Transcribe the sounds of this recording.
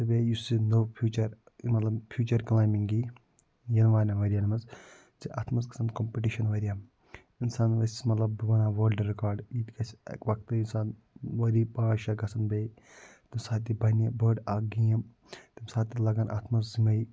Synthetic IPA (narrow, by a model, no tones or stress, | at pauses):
t̪ɨbʲeːjusinoːpʰjuːt͡ʃɐɾ | mɐt̪lɐbpʰjuːt͡ʃɐɾklaːjmiŋɡi | jɐnʋaːnɐʋɐɾʲjanmɐz | t͡siʔa̰ːt̪ʰmɐskɐ̥sɐnkompiʈiʃɐnʋɐɾʲjam | insaːnʋɐsismɐt̪lɐb̚ːɐbɐnaːʋɐːlɖɾikaːɾɖjit̪ikɐsɐ̰kʋɐk̚t̪ɨinsaːn | ʋɐɾipaːʃaɡɐsʰɐnbe | t̪imsaːt̪̬ːibɐnɐbəːɖaɡijɐm | t̪imsaːt̪ːilɐɡɐnʔa̰ːt̪ʰmɐszimɐji